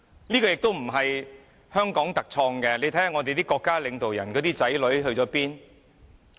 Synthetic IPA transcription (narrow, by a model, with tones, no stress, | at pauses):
niː˥kɔː˧jɪ˨k̚t̪o˥wm̩˨˩ɦɐ˨j | hœː˥ŋkɔː˨˥ŋt̪ɐ˨k̚t͡ʃʰɔː˧ŋkɛ˧le˨˧jt̪ʰja˨ŋɔ˨˧t̪e˨jt̪iː˥kɔː˧kːaː˥lɪ˨˧ŋt̪o˨wjɐ̰˨˩nkɔː˨˥t̪iː˥t͡sɐ˨˥jlɵ˨˥ɥɦɵ˧ɥt͡sɔː˨˥piː˥n